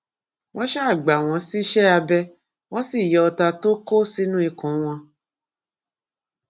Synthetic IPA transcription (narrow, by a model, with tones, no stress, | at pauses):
w̃ɔ̃˦ʃɛ˦˨ɡ͡ba˨w̃ɔ̃˧˦si˦ʃɛ˦a˧bɛ˧ | w̃ɔ̃˦si˦˨jɔ˧ɔ˧ta˧to˦ko˦si˦nũ˦i˧kũ˨˦w̃ɔ̃˧